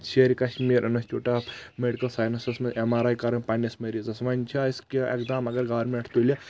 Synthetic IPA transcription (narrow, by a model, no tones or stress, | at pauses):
t͡ʃʰeɾʲikɐʃmiːɾʔɐnɐsʲt͡ʃʰoːʈameɽikɐlsaːjnɐsismɐemaːɾajkɐɾɐnʲpɐnɐsmɐɾizɐsʋɐnʲt͡ʃʰaiskiḛkd̪amɐɡɐɾɡaːɾmeɐʈʰt̪ulʲɐ